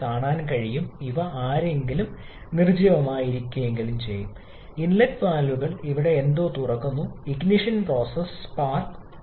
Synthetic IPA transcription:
kaːɳaːnkɐɻijumiʋɐaːɾe̞ŋɡilum | nird͡ʑiʋɐmaːjiɾikʲːume̞ŋɡilumt͡ɕe̞̰jːum | inlɐtpaːlʋuɣɐɭiʋiɽe̞ːnd̪o̞ːt̪urɐkːunːuiɡniʂɐnpro̞ːsɐspaːrk

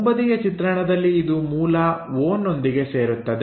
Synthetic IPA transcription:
bɐd̪ijɐt͡ʃit̪ɾɐɳɐd̪ɐlːiːd̪umuːlɐʋoːnːo̞nd̪iɡe̞se̞ːɾut̪ːɐd̪

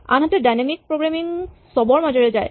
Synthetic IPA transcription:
a̰nɦatɛdajnamik̚pɹoɡɹamiŋsɔbɔɹmazɔɹɛzaj

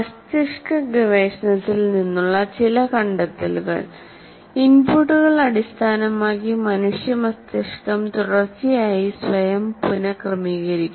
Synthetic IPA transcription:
ɐst̪ɐʂkɐɡɐʋeːʂɐnɐt̪ːilninːuɭːɐt͡ɕilɐkɐɳɖɐt̪ːɐ̰lɣɐ̰ɭ | inpuːʈːuɣɐɭɐɽist̪ʰaːnɐmaːkːimɐnuʂjɐmɐst̪jɐʂkɐmt̪uɽɐrt͡ɕːijaːjisʋɐjɐmpunɐkrɐmiːɣɐɾikʲːu

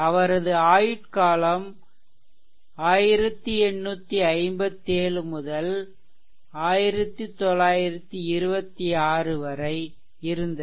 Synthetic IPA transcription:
ɐʋɐɾɐðɯaːjɪʈkaːlɐm | aːjɪɾɐt̪ːɯɛɳːuːt̪ːiɐɪmbɐt̪ːeːɭɯmʊðɐl | aːjɪɾɐt̪ːit̪ːɔlːaːjɪɾɐt̪ːɯɪɾɯbɐt̪ːiaːrɯʋɐɾɐɪ | ɪɾɯnd̪ɐ

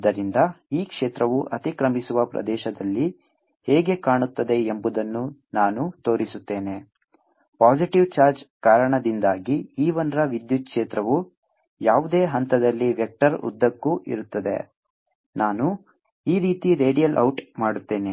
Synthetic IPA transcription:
d̪ɐɾind̪ɐiːkʂeːt̪ɾɐʋuʔɐt̪ikɾɐmisuʋɐpɾɐ̰d̪ɛːʃɐd̪ɐlːi | heːɡe̞kaːɳut̪ːɐd̪e̞embud̪ɐnːunaːnut̪o̞ːɾisut̪ːe̞ːne̞ | paːd͡ʒiʈiʋt͡ʃaːɾd͡ʒkaːɾɐɳɐd̪ind̪aːɡiiːʋɐnɾɐʋid̪jut̪̚kʂeːt̪ɾɐʋu | jaːʋud̪eːɦɐnt̪ɐd̪ɐlːiʋjɛk̚ʈɐɾṵd̪ːɐkːuʔḭɾut̪ːɐd̪e̞̰ | naːnu | iːɾiːt̪iɾe̞ːɽijɐlʔɐwʈmaːɽut̪ːe̞ːne

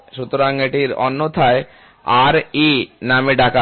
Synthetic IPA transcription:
ʃut̪ːoɾaŋeʈiɾɔ̰nːot̪ʰae | aɾinameɖaka

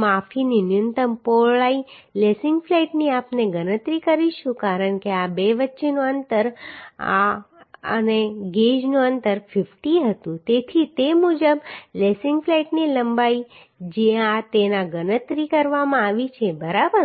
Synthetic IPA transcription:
mafininjunt̪əmpoɭailesɪŋɡflaiʈniapneɡənət̪ɾikəɾiʃũkaɾəɳkeabeʋətːʃenũənt̪əɾa̰ | ə̰neɡed͡ʒnũənt̪əɾfɪfʈiɦət̪ũt̪et̪ʰit̪emud͡ʒəblesɪ̃ŋɡflaiʈniləmbai | d͡ʒeãt̪enãɡənət̪ɾikəɾʋamãaʋit͡ʃʰebəɾabəɾ

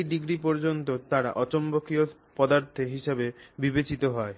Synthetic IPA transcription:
ɖiɡɾipɔɾd͡ʑont̪ot̪aɾa̰ʔɔt͡ɕombokio | pɔd̪aɾt̪ʰeɦiʃebebibet͡ɕit̪oɦɔe

